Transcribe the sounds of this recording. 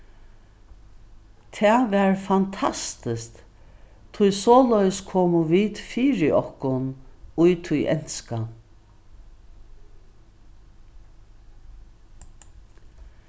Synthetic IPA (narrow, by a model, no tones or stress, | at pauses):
t̪ʰɛːʋɛɹfant̪ʰast̪ɪst̪ | t̪ʰʊjsɔːlœjəskʰoːmʊʋiːt̪fiːɹɪʔɔhkʊnujt̪ʰʊjʔɛ̰n̥ska